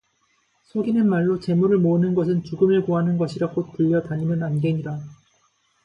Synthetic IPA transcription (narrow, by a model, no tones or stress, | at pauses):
sʰoɡinɯnmaɭːot͡ɕe̞muɾɯɭmoɯnɯnɡʌsʰɯnt͡ɕuɡɯmeɭkoɦanɯnɡʌɕʰiɾak͈ot͈ɯʎːʌtaɲimɯnanɡe̞ɲida